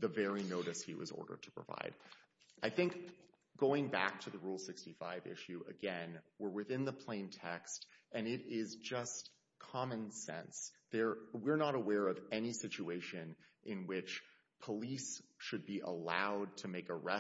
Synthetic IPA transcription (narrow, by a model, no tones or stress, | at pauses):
ðɨvɛɹinoʊɾɨshḭwʌ̰zɔ̰ɹɾə̰˞d̚tʰə̥pʰɹ̥ə̰va̰ɪd̥ | ʔaɪθɪ̃ŋk | ɡ̥oʊɪ̃ŋbæ̰k̚tʰɨðɨɹulˠsɪkstifaɪvɪ̰ʃʉʔɨ̰ɡɛ̃nwɪɹwɨθɪ̃nðəpʰl̥ẽɪ̃ntʰɛkstɨ̃nɪɾɪzd͡ʒʌst | kʰɑmɨ̃nsɛ̰̃nsðə˞wɪɹnəɾəwɛɹʌvɛnisɪt͡ʃʉeɪʃɨ̃nʔɪ̃nwɪt͡ʃ | pʰəlisʃɨd̚biʔə̰laʊd̚tʰɨmeɪkəɹɛ